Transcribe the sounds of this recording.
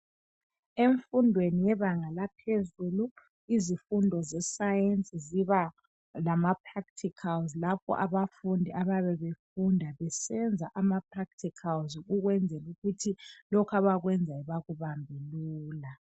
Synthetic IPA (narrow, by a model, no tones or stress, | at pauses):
eɱfundʱwenijɛβaŋalapʰezulu | izifundʱɔzɛsajent͡sʼiziβa | lamapʰraktʰikʰalzlapʰɔ̰ʔaβafundʱiʔaβaβɛβefundʱaβɛsɛnd͡zʱaʔamapʰrak̚tʰikʰalzɣuɣwɛnd͡zʱɛluɣutʰilɔkʰaβaɣwɛnd͡zʱaiβaɣuβambʱiluːla